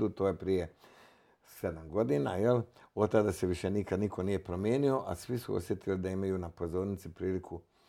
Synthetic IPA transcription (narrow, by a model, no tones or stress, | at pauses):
d̪ut̪oːjepɾije | sed̪amɡo̞d̪inajelod̪t̪ːad̪aseʋiʃenikad̪nikʰo̞nije̞pɾo̞mjeːnio̞ʔa̰sʋisuo̰sje̞t̪ilid̪aimajunapo̞zo̞ːɾnit̪sipɾiːlikʰu